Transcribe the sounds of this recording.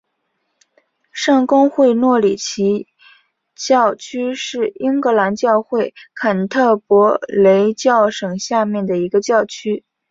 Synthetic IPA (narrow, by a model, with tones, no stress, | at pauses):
ʂɑ˥˩ŋkʊ˥ŋxwe˥˧ɪnwɔ˥˩li˨˩t͡ɕʰi˧˥ | t͡ɕjɑ˥˧ʊt͡ɕʰy˥ʂɻ̩˥˩i˥ŋkɤ˧˥la˧˥nt͡ɕjɑ˥˧ʊxwe˥˩ɪkʰa˨˩nt̪ʰɤ˥˩pwɔ˧˥le˧˥ɪt͡ɕjɑ˥˩ʊʂɤ˨˩ŋɕja˥˧mjɛ˥˩nd̪ə˩i˧˥ɡə˧t͡ɕjɑ˥˩ʊt͡ɕʰy˥